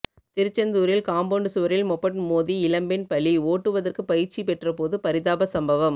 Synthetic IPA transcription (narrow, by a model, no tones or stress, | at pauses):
t̪ɪɾɪt͡ʃːɐnd̪uːɾɪlkaːmboːɳɖɯsuʋɐɾɪlmɔpːɐʈmoːðiɪlɐmbɪnpɐɭioːʈːɯʋɐðɐrkɯpɐjɪɾt͡ʃːipɛʈrɐpoːðɯpɐɾɪðaːbɐsɐmbɐʋɐm